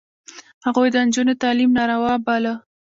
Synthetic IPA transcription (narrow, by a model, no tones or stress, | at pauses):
haɣujd̪ənd͡ʒunet̪ɑlimnɑɾawɑbalə